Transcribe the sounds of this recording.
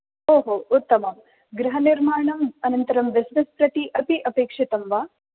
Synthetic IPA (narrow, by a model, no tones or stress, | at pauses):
oːɦout̪ːɐmɐm | ɡɾɐɦɐniɾmaːɳɐmɐnɐnt̪ɐɾɐmʋesnɐspɾɐt̪iʔɐpiʔɐpeːkʂit̪ɐmʋaː